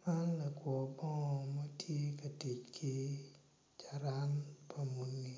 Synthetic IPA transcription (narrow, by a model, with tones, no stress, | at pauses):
ma˦nla˨kwɔ˨bɔ˦ŋ˨ma˦tʰje˦ka˨ti˨t͡ʃkʰi˦ | t͡ʃa˨ɾa˦npʰa˨mu˨nːi˨